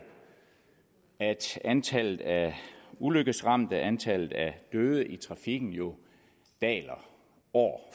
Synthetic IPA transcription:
æd̥ænt͡sʰæl̰ð̩ˠæuløɡ̥əsʁɑ̈m̰d̥əʔænt͡sʰæl̰ð̩ˠæd̥øːðˠəʔit͡sʰʁɑ̈fiɡ̥n̩jo̝ | d̥ɛ̰ːlɐ | ɒ̰ː

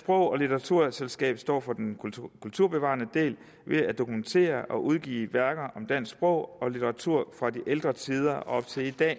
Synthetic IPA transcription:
sb̥ʁɔ̽ʊ̰ɒ̽lit͡sʰɐʁɑ̈t͡sʰuɐselsɡ̥ɛ̰ːb̥sd̥ɒ̰ːfɒ̽d̥enkʰult͡sʰuɐ̰b̥e̝ʋɑ̈ːnəd̥e̝̰ːl | ʋe̝æd̥o̝kument͡sʰe̝̰ːɐʔɒ̽ʔuð̞ˠɡ̥ḭːʋæɐɡ̥ɐʔɒ̽md̥æn̰sb̥ʁɔʊ̰ɒ̽lit͡sʰɐʁɑ̈t͡sʰuɐ̰fʁɑ̈d̥iʔeld̥ʁɐt͡sʰiːð̞ˠɐɒ̽b̥t͡sʰe̝id̥ɛ̰ː

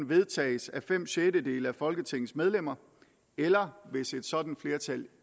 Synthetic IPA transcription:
nʋe̝ð̞ˠt͡sʰɛ̰ːɪsæfem̰ɕedəde̝̰ːləæfɒ̽lɡ̥ət͡sʰe̝ŋn̩smeð̞ˠlem̰ɐ | elɐʋe̝se̝d̥sɒ̽d̥n̩fle̝ːɐt͡sʰæl

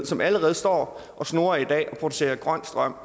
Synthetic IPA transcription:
sɒ̽mæləʁɛːð̞̩ˠsd̥ɒ̰ːʔɒ̽sno̝ːɐid̥ɛ̰ːʔɒ̽pʰʁo̝d̥use̝̰ːɐɡ̥ʁɶn̰sd̥ʁɶm̰

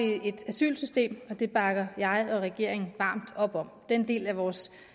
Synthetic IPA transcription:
ie̝d̥æsy̰ːlsysd̥e̝̰ːmɒ̽d̥e̝b̥ɑ̈ɡ̥ɐjɑ̈ɪɒ̽ʁɛɡ̥e̝ɐ̰e̝ŋn̩ʋɑ̈ːmd̥ɒ̽b̥ɒ̽m̰d̥end̥e̝̰ːlæʋɒːs

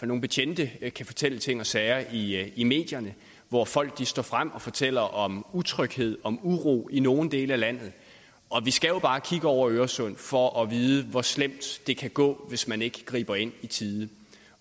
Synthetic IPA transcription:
no̝ːn̩b̥e̝t͡ɕʰend̥əkʰæfɒ̽t͡sʰel̰ət͡sʰe̝ŋ̰ɒ̽sɛɪɐiime̝̰ːd̥jɐnə | ʋɒfɒ̽l̰ɡ̥̚d̥isd̥ɒ̰ːfʁam̰ɒ̽fɒ̽t͡sʰel̰ɐʔɒ̽mut͡sʰʁœɡ̥he̝ð̞̰ˠɒ̽muʁṵːino̝ːn̩d̥e̝ːləælæn̰ð̞̩ˠ | ʔɒ̽ʋisɡ̥æjo̝b̥ɑ̈ːkʰiɡ̥əɒʊ̰ɐøːɐsɔ̽n̰fɒ̽ʔɒ̽ʋiːð̞ˠəʋɒ̽slem̰d̥d̥e̝kʰæɡ̥ɔ̰̽ːʋe̝smæne̝ɡ̥əɡ̥ʁḭːb̥ɐe̝n̰it͡sʰiðˠ

